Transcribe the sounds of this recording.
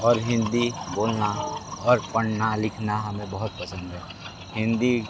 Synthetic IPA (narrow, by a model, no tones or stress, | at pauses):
ɔːɾɦɪ̃nd̪iboːlnaɔːɾpəɳnalɪkʰnaɦɐmẽbəɦʊt̪̚pəsə̃nd̪ɦɛː | ɦɪ̃nd̪i